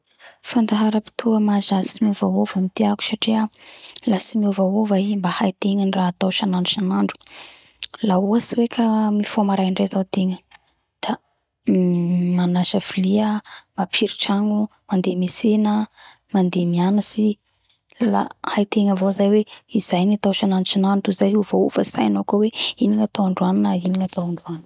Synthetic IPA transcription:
fand̪aɦaɾəpi̥t̪ʰuəmazasimivawovəmit̪iaku̥saʈ͡ʂialasimiuvawovaimbahajt̪eŋəniraːt̪awʃanaɳɖ͡ʐuʃanaɳɖ͡ʐu̥ | lauasiwekʰamifomaɾaiɳɖ͡ʐazawt̪eŋə | d̪̥a | manaʃafiliəmapʰiɾiʈ͡ʂaŋumand̪emesenə | mand̪emianasi | la̰hajt̪eŋəvozajweizajnit̪awʃanaɳɖ͡ʐut͡ʃanaɳɖ͡ʐuzajuvoufəsajnokoweiniŋat̪aaɳɖ͡ʐuaninainiŋat̪awaɳɖ͡ʐuani

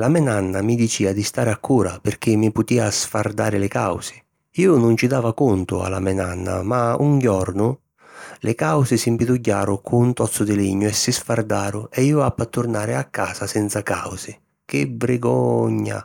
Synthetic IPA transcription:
lamɛnanːamid̪it͡ʃiːad̪ist̪aːɾɪakʰːuːɾapɪrk̟ɪmːipʊt̪iːasfard̪aːɾɪlɪkawsɪ̥ | iːʊnʊnt͡ʃid̪aːvakunt̪ʊa̰la̰mɛnanːa̰mauŋɡjɔɾnʊ | lʔɪkawsɪsimpid̪uɟːaːɾʊkʰunt̪ɔt̪sːʊd̪ɪliɲːʊɛsːɪsfard̪aːɾʊʔɛiːʊapːat̪ːʊɾnaːɾɪakʰːaːsasɛnt̪sakawsɪ | k̟ɪvɾɪɡɔɲːa̰

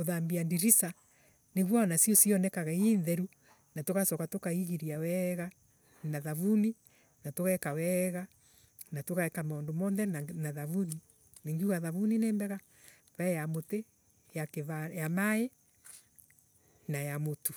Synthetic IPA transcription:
oðambiandiɾisa | neɣwaɔnasiɔsiɔnɛkaɣainðɛɾu | natokasɔkatokaiɣiɾiawɛɣa | naðaβuni | natoɣakawɛɣa | natokaɛkamaɔndomɔnðɛnaðavuni | neŋɡiuɣaðaβunineːmbɛɣa | βaɛjamote | jakeβajamae | najamotu̥

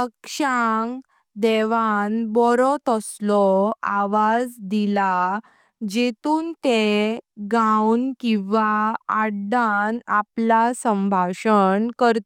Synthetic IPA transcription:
əkʂaŋ | d̪ɛʋanbɔɾɔt̪əslɔa̰ʋad͡zd̪ila | d͡ʑet̪uːnt̪eɡawnkĩʋaaɽɖanaplasəmbʱaɕənkəɾt̪

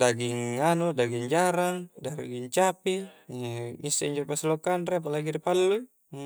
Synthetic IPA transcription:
daɡiŋːanodaɡiŋd͡ʒaɾaŋdaɾ̰ɡiŋt͡ʃapi | ŋisːaiɲd͡ʒɔpaslokanɾeap̬alaɡiɾipalːu

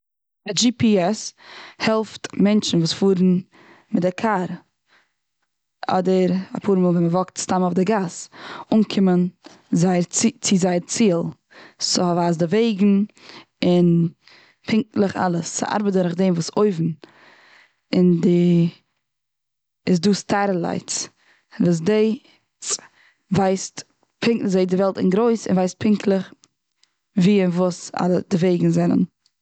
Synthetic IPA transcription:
ɪd͡ʒiːpiɛshɛlˠftmɛnt͡ʃn̩vuːsfuːɾn̩ | mɪtakʰaɾ | ɔ̰dəɾa̰pʰuːɾmɔːlˠvɛnməvɔktstamɔfdɪɡasuːnkʰɪmən | zaɪɾt͡sɪzaɪɾt͡siːlˠ | sɪhavaːzdɪveɪɡŋ̩ | ɪn | pʰɪŋk̚lˠəχa̰lˠəsːɪ̰ʔa̰ɾbɪdəɾɪχdeɪmvuːsoɪvn̩ | ɪndɪ | ɪs̬duːstʰaɾəlˠa̰ɪt͡s | vuːs̬deɪ | vaɪst | pʰɪŋzeɪdɪvɛlˠtɪ̰nɡɾoɪsɪ̰nvaɪst̚pʰɪŋklˠəχ | viːvuːsa̰lˠədɪveɪɡŋ̩zɛnə̰n

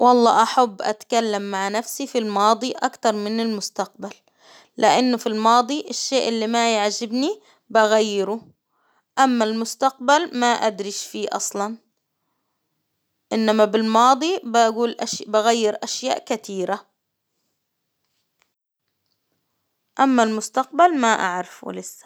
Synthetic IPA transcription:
wʔɑlˤːɑ̰ːʔaħabːʔa̰t̪kalːamːaʕnafsifilmɑːd̪ˤiʔa̰kt̪ɑɾˤmɪnɪlmʊst̪aq̚balː | ɪʔɪnːʊfilmɑːd̪ˤiʔɪʃːeːʔɪlːimajaʕd͡ʒɪbni | baɣajːɪɾʊ | ʔamːalmʊst̪aq̚balmaʔa̰d̪ɾiʃfiːʔɑ̰sˤlɑn | ʔɪnːamabɪlmɑːd̪ˤibaɡuːlʔaʃbaɣajːɪɾʔaʃja̰ːʔkat̪iːɾa | ʔamːalmʊst̪aq̚balmaʔa̰ʕɾafɪ̰lɪsːḁ

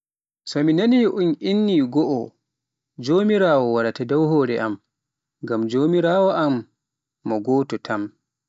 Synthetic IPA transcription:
sɔminaniʔunʔinːiɡɔʔɔ | d͡ʒoːmiɾaːwɔwaɾatadɔwhɔːɾɛʔa̰m | ŋɡamd͡ʒoːmiɾaːwɔʔamː | ɔɡɔːtɔtʰam

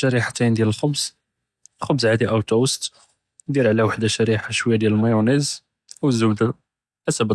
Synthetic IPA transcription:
ʃæɾiħat̪ind̪jæləlxʊbz̥ | lxʊbzʕad̪iʔawt̪uwəst̪ | d̪iɾʕlæwaħd̪aʃæɾiħaʃwəjːad̪jæləlmɑjuniz | wəzːəwd̪ə | ʔæsæbə

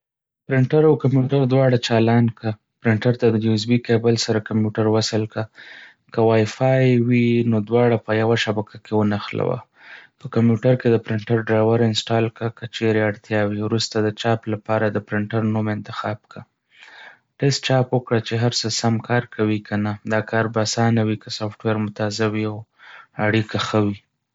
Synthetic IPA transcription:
pɾɪɳʈaɾawkampjuʈaɾd̪wɑɽat͡ʃɑlɑnka | pɾɪɳʈaɾt̪ad̪əjjus̬bikebəlsaɾakampjuʈaɾwasəlka | kəwɑjfɑjwinod̪wɑɽapəjawaʃabakʰakewənaxla̰wa̰ | pəkamjuʈaɾked̪əpɾɪɳʈaɾɖɾajwaɾɪnsʈɑlkakət͡ʃeɾeaɽt̪jɑwiwɾust̪ad̪ət͡ʃɑplapɑɾad̪əpɾɪɳʈaɾnumɪnt̪ɪ̥xɑbka | ʈɛstt͡ʃɑpwəkɽat͡ʃeɦaɾsəsamkʰɑɾkʰawikʰanad̪ɑkɑɾbaːsɑnawikəsafʈweɾmʊt̪ɑzawiawaɽikaxəwi

